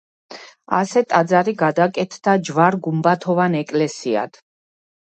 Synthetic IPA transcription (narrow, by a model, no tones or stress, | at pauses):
a̰sɛt̪ʼad̪zaɾiɡad̪akʼɛt̪ʰd̪̥ad͡ʒvaɾɡumbat̪ʰɔvanɛkʼlɛsia̰d̪̥